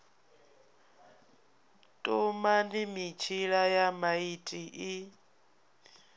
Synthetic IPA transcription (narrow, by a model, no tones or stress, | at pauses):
tʼumandimit͡ʃʰiɺajamaitʼiʔi